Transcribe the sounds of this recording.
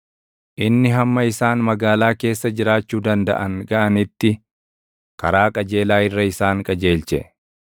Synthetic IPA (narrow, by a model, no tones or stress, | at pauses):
ʔɪnːɪɦɐmːɐɪsaːnmɐɡaːlaːke̞ːsːɐd͡ʒɪɾaːt͡ʃːuːd̪ɐnd̪ɐ̰ʔɐŋɡɐʔɐnɪt̪ːɪ | kɐɾaːkʼɐd͡ʒe̞ːlaːɪrːɐɪsaːŋkʼɐd͡ʒe̞ːlt͡ʃɛ